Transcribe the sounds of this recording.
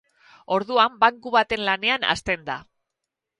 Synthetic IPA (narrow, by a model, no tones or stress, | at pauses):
o̞ɾðuambaŋkuβat̪e̞nlane̞ana̰st̪e̞nd̪a̰